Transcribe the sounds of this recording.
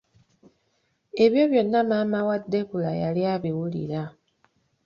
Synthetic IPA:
e̞βjo̞βjo̞nːamaːmawadːe̞kulajaliaβiwulḭɾa

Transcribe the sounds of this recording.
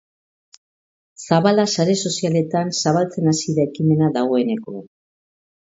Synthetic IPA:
saβalasaɾe̞so̞siale̞t̪ansaβalt͡se̞nasiðaekime̞naðaɣ̞o̞e̞ne̞ko̞

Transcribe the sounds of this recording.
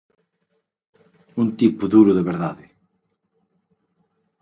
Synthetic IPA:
unt̪ipʊðuɾʊðeβeɾðaðɪ

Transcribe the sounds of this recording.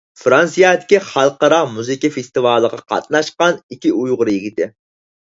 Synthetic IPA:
fɾɑnsijɑːt̪ʰɪ̥kʲiχɑlˠqɑɾɑmuzɪkʲifest̪ɨvɑːlˠəʁɑqʰɑ̰t̪̚nɑʃqɑnikʲʰiujʁʊɾɨjiɡʲit̪ʰɪ

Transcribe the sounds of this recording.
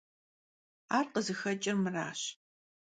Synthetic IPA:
aːrqəzɨxɐt͡ʃʼɪrmɨra̰ːɕ

